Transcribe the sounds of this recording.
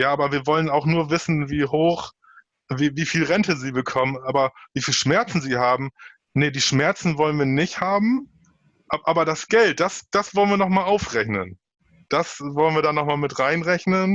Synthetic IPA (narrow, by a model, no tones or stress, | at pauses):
jaːʔaːbɐviːɐvɔlənaʊxnuːɐvɪsn̩viːɦoːx | viːviːfiːlʁɛntəziːbəkʰɔmənʔaːbɐviːfiːlʃmɛɐt͡sn̩ziːhaːbm̩ | nədiːʃmɛɐt͡sn̩vɔlənviːɐnɪçthaːbm̩ | ʔaʔaːbɐdasɡ̥ɛlt̚d̥asd̥asv̥ɔlənviːɐnɔχmaːlaʊfʁɛçnən | d̥asvɔlənviːɐdaːnɔχmaːlmɪtʁaɪnʁɛçnən